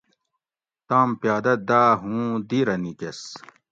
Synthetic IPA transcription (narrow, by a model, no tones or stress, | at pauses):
t̪aːmpjaːd̪ɐd̪aːɦũd̪iɾɐnikes